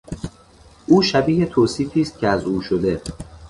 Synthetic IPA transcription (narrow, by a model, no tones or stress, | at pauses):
ʔuːʃæbiːhet̪ʰoːsiːfiːst̪̚cʰeæzuːʃod̪e̞